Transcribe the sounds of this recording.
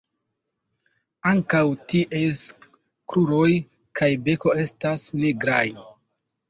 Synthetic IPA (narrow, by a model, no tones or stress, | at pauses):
aŋkawtiʔes | kɾuɾo̞j | kʰajbe̞ko̞e̞stasniɡɾaj